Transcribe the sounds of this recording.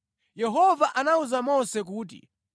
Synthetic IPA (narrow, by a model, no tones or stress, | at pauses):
jɛɦɔvaʔanauzamɔnsɛk̬uːt̬ḭ